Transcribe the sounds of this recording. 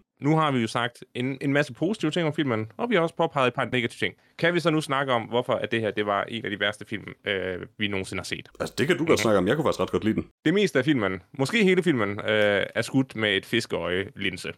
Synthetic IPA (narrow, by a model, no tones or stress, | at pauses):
nuɦɑ̈ʋijo̝sɑ̈ɡ̥̚d̥ene̝nmæsəpʰo̝ːsi̥t͡sʰiʊət͡sʰe̝ŋ̰ɒmfil̰mənɒ̽ʋihɑ̈ɒ̽spʰɒ̽pʰɑ̈ɪð̩ˠed̥̚pʰɑ̈dne̝ɡ̥æt͡sʰiʊ̥̰t͡sʰe̝ŋ̰ | kʰæʋisɒ̽nusnɑ̈ɡ̥əɒ̽mʋɒfɒ̽æd̥e̝hæɐ̰d̥e̝ʋɑ̈ʔe̝næd̥ib̥æɐsd̥əfil̰møʋino̝ːn̩se̝nəhɑ̈se̝̰ːd̥ælsd̥e̝kʰæd̥uɡɒd̥snɑ̈ɡ̥əɒ̽mjɑ̈ɪkufɑɡ̥isɡ̥ɑd̥ɡ̥ɒ̽d̥lḭːd̥end̥e̝me̝̰ːsd̥əæfil̰mənmɒ̽sɡ̥e̝̰ːhe̝ːləfil̰mənøæɐsɡ̥ud̥mee̝d̥fe̝sɡ̥əɒɪlensə